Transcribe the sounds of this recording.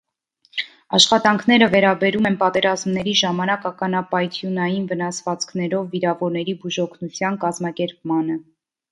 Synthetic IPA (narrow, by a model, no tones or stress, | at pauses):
ɑʃχɑt̪ɑŋkʰnɛɾəvɛɾɑbɛɾumɛnpɑt̪ɛɾɑzmnɛɾiʒɑmɑnɑkɑkɑnɑpɑjt̪ʰjunɑjinvənɑsvɑt͡skʰnɛɾɔvːiɾɑvɔɾnɛɾibuʒɔkʰnut͡sʰjɑnkɑzmɑkɛɾp̚mɑnə